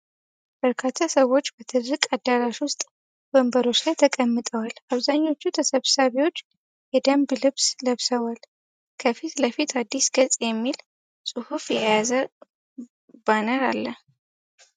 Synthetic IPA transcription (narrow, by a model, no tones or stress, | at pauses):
b̥əɾkʰat̪ʰːasəwo̞t͡ʃːbət̪ʰɨd̪ɾɨkʼad̪ːaɾaʃwʊst̪ʼ | bəmbəɾo̞t͡ʃlajt̪ʰəkʼəmːɨt̪ʼəwalaβzaɲːo̞t͡ʃːut̪ʰəsəβsaβiwo̞t͡ʃː | jɛd̪əmblɨβsləβsəwal | kʰəfit̪ləfit̪ʰad̪ːisɡət͡sʼjɛmːil | sʼɨhufjɛjazə | b̥anəɾalːə